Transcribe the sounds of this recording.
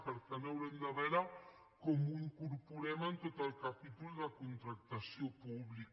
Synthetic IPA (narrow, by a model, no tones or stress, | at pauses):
pəɾkanawɾend̪aβɛɾa | komuiŋkuɾpuɾɛmənt̪ot̪əlkapit̪ulðəkunt̪ɾak̚t̪asjopuβlik